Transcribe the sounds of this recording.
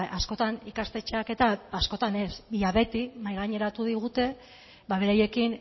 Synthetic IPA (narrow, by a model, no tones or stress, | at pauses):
asko̞t̪anikast̪e̞t͡ʃeake̞t̪aːsko̞t̪ane̞sβiaβe̞t̪imajɣ̞aɲe̞ɾat̪uðiɣ̞ut̪e̞ | baβe̞ɾaje̞kin